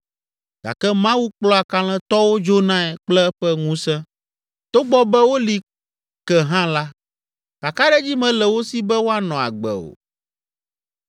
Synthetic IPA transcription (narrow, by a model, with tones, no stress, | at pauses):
ɡa̰˨kɛ˦mã˦wu˦k͡plɔ˦a˨ka˦l̃ɛ̃˦t̪ɔ˦wo˦d͡ʒo˦nã˦ɛ˨k͡plɛ˦ɛ˦ɸɛ˦ŋũ˦sɛ̃˦ | t̪o˦ɡ͡bɔ˦bɛ˦wo˦li˨ | kɛ˨ɦã˦la˦ | ka˨ka˦ɖɛ˦d͡ʑi˦mɛ̃˨lɛ˨wo˦si˦bɛ˦wo˦a˦nɔ̃˨a̰˨ɡ͡bɛ̰˨o̰˨